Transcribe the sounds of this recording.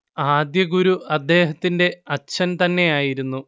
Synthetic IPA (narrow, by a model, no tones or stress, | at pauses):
aːd̪jɐɡuɾuɐd̪ːe̞ːɦɐt̪ːinde̞ɐt͡ɕʰɐnt̪ɐnːe̞jaːjiɾunːu